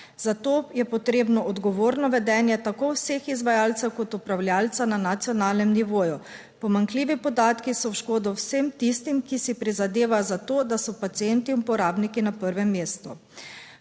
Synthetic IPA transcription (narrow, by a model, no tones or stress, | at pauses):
z̥at̪oːjɛpɔt̪ɾeːbnɔʔɔd̪ɡɔʋoːɾnɔʋɛd̪ɛːnjɛt̪akowsexizʋajaːlt̪sɛwkɔt̪upɾawlʲjaːlt̪sananat̪sijɔnaːlnɛmniʋoːju | pɔmaŋkliːʋipɔd̪aːt̪kisɔwʃkoːd̪ɔwsemt̪ist̪imkisipɾizad̪eːʋajɔzat̪oːd̪asɔpat̪sient̪iuupɔɾaːbnikinapəɾʋɛmːeːst̪u